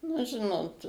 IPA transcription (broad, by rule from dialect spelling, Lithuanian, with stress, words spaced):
nʊ ˈʒʲɪnoːt